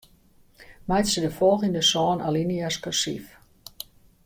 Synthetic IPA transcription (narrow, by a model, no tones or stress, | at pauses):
majtsədəfɔlˠɣindəsɔːnaliniaskasḭf